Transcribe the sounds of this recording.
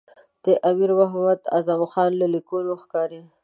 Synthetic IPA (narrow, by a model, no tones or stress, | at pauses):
d̪̥əʔamiɾwaɦmad̪a̰zamxɑnlalikonoxkɑɾi